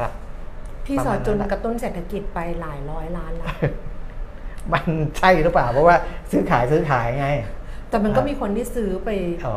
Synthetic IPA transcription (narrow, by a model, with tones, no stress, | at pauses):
t̪ʰiː˥˩sɔː˨˩˦t̚t͡ɕo˧n˧k̚t̪o˥˩nseː˨˩t̪ʰːa˧ki˨˩t̪̚pa˧jlaː˩˦jɾɔː˦˥jlaː˦˥nlaː˧˥ | ma˧nt͡ɕʰa˥˩juː˨˩ɾɯ˦˥plaː˨˩wpʰɔ˧˥waː˥˩sɯː˦˥kʰaː˩˦jsɯː˦˥kʰaː˩˦ja˧ŋa˧jt̪ɛː˨˩ma˧nkɔː˥˩miː˧kʰo˧nt̪ʰiː˥˩sɯː˦˥pa˧j